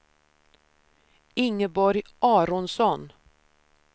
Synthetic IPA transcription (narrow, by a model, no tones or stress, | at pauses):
ɪŋːəbɔɾjʔɑːɾɔnsɔn